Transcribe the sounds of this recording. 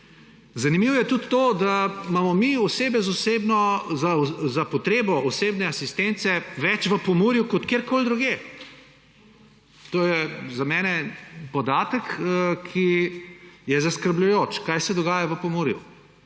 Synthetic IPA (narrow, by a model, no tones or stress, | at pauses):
zɐnimiwɔjɛt̪ut̪ːoːd̪amamɔmiɔseːbɛzosebnɔzazapɔt̪ɾeːbɔɔseːbnɛasist̪ent̪sɛʋɛt͡ʃʋəpɔmuːɾjukɔt̪keːɾkoːld̪ɾuɡjeː | t̪oːjɛzamɛːnɛpɔd̪aːt̪əkkʰi | jɛzɐskəɾblʲʊjoːt͡ʃkajsɛd̪ɔɡaːjaʋəpɔmuːɾjṵ